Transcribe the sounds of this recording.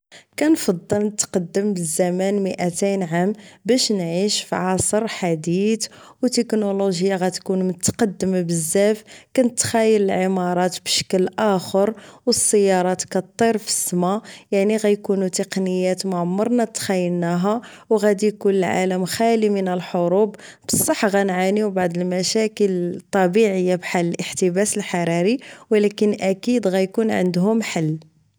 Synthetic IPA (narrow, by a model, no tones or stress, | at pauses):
kænfɑd̪ˤːəlnət̪qɑd̪ːəmbəzːæmænməʔæt̪ijnʕambæʃnʕiʃfʕɑsˤəɾˤħad̪it̪wt̪əknoloʒjaɣæt̪kunmənət̪qɑd̪ːəmabəzːæfkænət̪xæjːələlʕəmɑɾˤɑt̪bʃə̥klʔæxəɾwəsːəjːɑɾˤɑt̪kæt̪ˤːiɾfə̥sːmajaʕniɣæjkunut̪əqnəjːæt̪mʊʕmːɑɾˤnæt̪xæjːəlnæɦæwɣæd̪ikunəlʕa̰ləmxælimənəlħoɾubbəsˤːɑħːɣænʕaniwbaʕd̪əlmæʃækəlt̪ˤːɑbiʕəjːabħalːəlʔəħt̪əbæsəlħɑɾˤɑɾiwlækənʔækid̪ɣæjkunʕə̰nd̪hʊmħalː